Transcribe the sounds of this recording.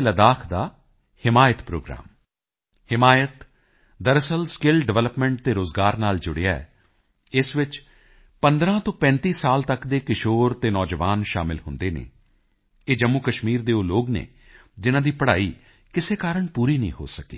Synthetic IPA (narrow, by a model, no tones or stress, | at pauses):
ləd̪aːkʰd̪aː | hɪmaːjət̪pɾo̰ːɡɾa̰ːm | hɪmaːjət̪ | d̪əɾəsəlskɪlɖɛʋɛləpmɛ̃ɳʈ̚t̪eːɾoːzɡaːɾnaːld͡ʒʊɽejaːɛ̰ | ɪsʋɪt͡ʃ | pənd̪ɾãːt̪õːpɛ̃ːnt̪iːsaːlt̪əkd̪eːkɪʃoːɾt̪eːnɔːd͡ʒəʋaːnʃa̰ːmɪlhʊnd̪eːnḛː | eːd͡ʒəmːuːkəʃmiːɾd̪eːoːloːɡnḛː | d͡ʒɪnãːd̪iːpəɽaːiː | kɪseːkaːɾəɳpuːɾiːnḭ̃ːɦo̰ːsəkḭː